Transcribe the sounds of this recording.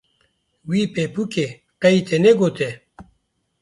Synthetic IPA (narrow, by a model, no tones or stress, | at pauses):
wiːpepuke | qɐit̪ʰeneɡot̪e